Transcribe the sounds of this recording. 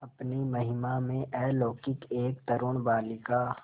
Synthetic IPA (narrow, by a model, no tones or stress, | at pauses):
ɐpnimɐɦɪmamẽʔɛːloːkɪkeːkt̪ɐɾoɳ̃baːlɪka